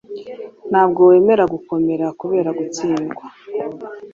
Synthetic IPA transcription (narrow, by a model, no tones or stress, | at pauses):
n̥haːbɡo̞we̞ːme̞ɾaɡuko̞me̞ɾakuβe̞ːɾaɡut͡siːŋɡwa